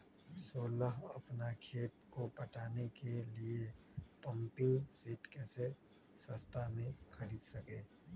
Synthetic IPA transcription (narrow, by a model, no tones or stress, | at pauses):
soːləɦɐpnakʰeːt̪kopɐʈaːnekelie | pə̃mpɪŋsiːʈkɛːse | sə̃st̪ʰamẽxʰɐɾiːd̪sɐkeː